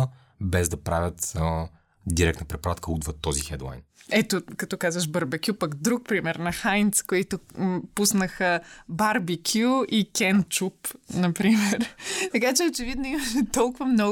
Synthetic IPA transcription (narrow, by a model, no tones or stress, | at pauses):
bɛzd̪ɐpɾavʲət̪ | d̪iɾɛkt̪əpɾɛpoɾat̪̚kəud̪vət̪ːɔzixɛd̪lˠa̰jnɛt̪okɐt̪ɔkazvəʃbəɾbɐkʲjupɐkd̪ɾuk̚pɾimɛɾnɐxajnt̪skoit̪ʊpusnəxəbaɾbikʰʲjuikʲɛnt͡ʃupnɐpɾimɛɾt̪ɐkat͡ʃɛot͡ʃɛvid̪noimɐʃɛt̪ɔlˠkʊvɐmnɔ